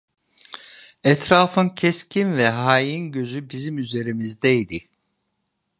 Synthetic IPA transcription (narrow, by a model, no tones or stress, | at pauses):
ɛt̪ʰɾaːfɯncʰɛscʰinvɛɦaːjinɟø̞zybizimyze̞ɾimizd̪ɛid̪i